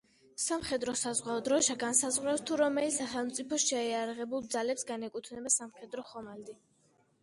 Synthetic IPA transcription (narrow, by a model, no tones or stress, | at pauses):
samχɛd̪ɾɔsazʁwaɔd̪ɾɔʃaɡansazʁwɾɛfst̪ʰuɾɔmɛlisaχɛlˠmt̪sʼipʰɔʃɛɛaɾaʁɛbulˠd̪zalɛpsɡanɛkʼut̪ʰvnɛbasamχɛd̪ɾɔχɔmald̪i